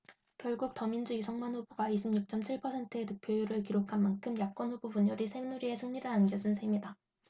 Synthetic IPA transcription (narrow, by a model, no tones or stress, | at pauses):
kjʌɭɡuk̚tʌmind͡ʑuisʰʌŋmanɸuboɡaiɕʰimɲuk̚t͡ɕ͈ʌmt͡ɕʰiɭpʰʌsʰe̞ntʰɯetɯk̚pʰjojuɾɯɭkiɾokʰanmankʰɯmjak̚k͈wʌnhubopuɲʌɾisʰenuɾie̞sʰɯŋɲiɾɯɭanɡjʌd͡ʑunsʰemɲida